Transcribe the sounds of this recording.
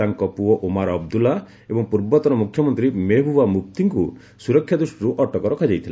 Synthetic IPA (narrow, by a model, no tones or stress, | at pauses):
aŋkɔpuɔʔomaɾɔb̚d̪ula | ebɔŋpuɾbɔt̪ɔɾɔmukʰjɔmɔnt̪ɾimebʱuamup̚t̪iŋku | suɾɔkʰjad̪ɾusʈiɾuʔɔʈɔkɔɾɔkʰad͡ʒajt̪ʰila